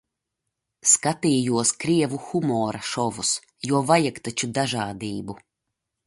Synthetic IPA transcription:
skat̪iːjuɔskɾiɛvuxumɔːɾaʃɔvus | juɔvajakt̪at͡ʃud̪aʒaːd̪iːbu

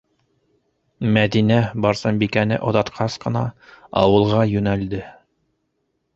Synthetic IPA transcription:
mæðinæbɑɾsɑmbikænɘ̰ʔŏðɑt̪qʰɑsqɤ̆nɑɑ̰wɤ̆lˠʁɑjɵ̆næld̪ɘ

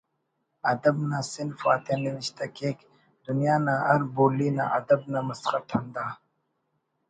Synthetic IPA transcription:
ɐd̪ɐbnasɪnfa̰ːt̪eniwɪɕt̪akeːk | d̪̥unjaːnaɐɾboːlina̰ʔɐd̪ɐb̚namɐsχɐt̪ʰɐnd̪aː

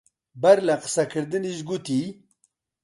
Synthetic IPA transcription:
bɐɾlaqə̥sakʰɨɾd̪ɨnizɡut̪i

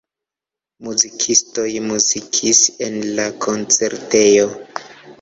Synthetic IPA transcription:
muzikʰisto̞jmuzikʰisenlakʰo̞nt͡se̞ɾte̞jo

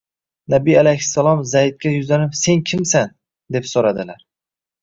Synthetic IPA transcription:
nabialajhɪsːalˠɒmzajd̪̚kʲajʊzanɪpseŋkʲʰɪmsan | d̪epsoɾad̪ɪlaɾ

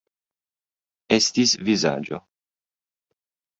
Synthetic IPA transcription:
est̪isviza̰ːd͡ʒo̰

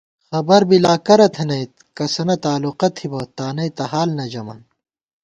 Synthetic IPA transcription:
xɐbɐɾbilaːkɐɾɐt̪ʰɐnɐjt̪̚kɐsɐnɐt̪aːluqɐt̪ʰibot̪aːnɐjt̪ɐɦaːlnɐd͡ʑɐmɐ̰n

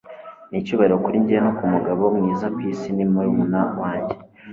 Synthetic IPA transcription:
nicuβaɾeɾokuɾiɲɟiɾenokumuɡaβomŋiːzakwisinimojumunawaːɲɟe

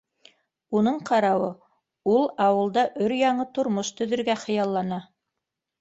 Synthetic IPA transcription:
unɤɴqɑɾɑwɤ | ulˠɑwɤ̆lˠd̪ɑʔɵɾjɑɴɤt̪ŏɾmoʃt̪ɵ̆ðɵ̆ɾɡæχɤ̆jɑlˠːɑnɑ

